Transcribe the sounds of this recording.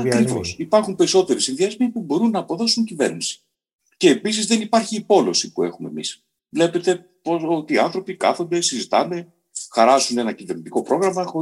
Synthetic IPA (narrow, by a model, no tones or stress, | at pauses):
ɐkɾivo̞̰sipɐɾxumpe̞ɾiso̞t̪e̞ɾisinðiɐzmepubo̞ɾunːɐːpo̞ðo̞suɲcive̞ɾnisi̥ | ce̞ːpisizðe̞nipɐɾçiːpo̞lo̞sipue̞̰xume̞̰mis | vle̞pe̞t̪e̞ | poso̞t̪iːɐnθɾo̞pikɐ̰θo̞nd̪e̞sizit̪ɐne̞ | xɐɾɐsune̞nɐcive̞ɾnit̪iko̞pɾo̞ɣɾɐmɐxo